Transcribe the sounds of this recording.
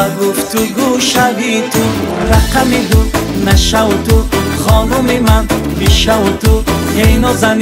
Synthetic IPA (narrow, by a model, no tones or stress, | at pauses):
ɡuft̪uɡuʃaviːt̪ʰuɾaqamid̪ud̪naʃawut̪uχɔnumimanbiʃawut̪uhejnɔzan